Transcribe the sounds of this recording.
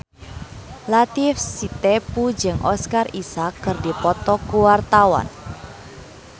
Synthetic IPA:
lat̪ifsit̪epud͡ʒɨŋʔɔ̰skarisakːɨrdipɔt̪ɔkuwart̪awa̰n

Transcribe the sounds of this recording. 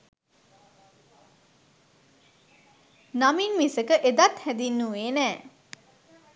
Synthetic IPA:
naminmisəkəʔed̪at̪hæd̪inːueːnɛː

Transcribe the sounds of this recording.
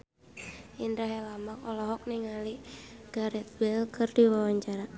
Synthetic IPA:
ʔindɾaɦɛlamakɔlɔɦɔk̚niŋaliɡ̥aɾɛt̪̚bɛlkərdiwawaɲt͡ʃaɾa

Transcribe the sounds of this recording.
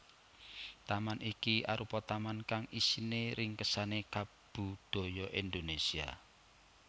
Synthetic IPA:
t̪amanʔikia̰ɾupɔt̪amankaŋisineɾʔɪŋkəsaneka | b̥ṳd̪̥ɔ̤jɔʔind̪onesia̰

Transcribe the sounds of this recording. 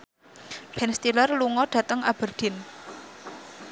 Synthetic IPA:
b̥ɛnst̪ilərluŋɔɖ̥ä̤t̪əŋab̥ə̤rd̪̥ɪ̤n

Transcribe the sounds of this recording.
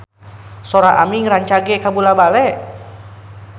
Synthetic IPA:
soɾaʔamiŋɾaɲt͡ʃaɡɛkabulabalɛʔ

